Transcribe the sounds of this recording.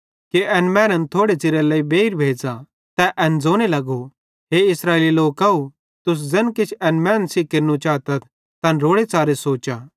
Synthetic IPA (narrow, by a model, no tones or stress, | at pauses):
kiʔɛnmɛ̃ːɾənt̪ʰoːɽet͡ʃɪɾelɐibeːɾbʱeːd͡za | t̪ɛʔɛnd͡zoːñelɐɡo | ɦeɪsɾaːeliloːkɐu | t̪ʊs̬d͡zɛnkɪt͡ʃʰɛnmɛ̃ːnsikeɾnũt͡ʃaːt̪ət̪̚ʰ | t̪ɐ̃nɾoːɽet͡saːɾesoːt͡ʃa